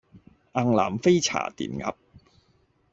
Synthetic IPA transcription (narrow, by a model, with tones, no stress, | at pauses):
ʔa˧ŋla̰ː˨˩mfe˥jt͡sʰa̰ː˨˩t̪ḭː˨˩nŋɐ̰˨˧˥p̚